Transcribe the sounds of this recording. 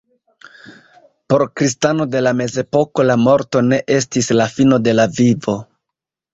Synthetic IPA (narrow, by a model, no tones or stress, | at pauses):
po̞ɾkɾistano̞de̞lame̞ze̞po̞ko̞lamo̞ɾto̞ne̞ʔe̞s̬tislafino̞de̞lavivo̞